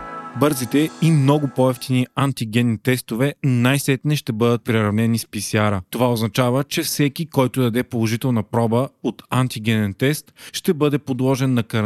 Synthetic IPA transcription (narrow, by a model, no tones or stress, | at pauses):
bɤɾzit̪ɛimnɔɡʊpɔɛft̪iniant̪iɡʲɛnːit̪ɛst̪ovɛnajsɛt̪nɛʃt̪ɛbɤd̪ət̪̚pɾɛɾɐvnɛnispisʲjaɾət̪ovaoznɐt͡ʃavət͡ʃɛfsɛkikɔjt̪ʊd̪ɐd̪ɛpolˠoʒit̪ɛlˠnɐpɾɔbəot̪ant̪iɡʲɛnɛnt̪ɛst̪ʃt̪ɛbɤd̪ɛpod̪lˠɔʒɛnːɐkɐɾ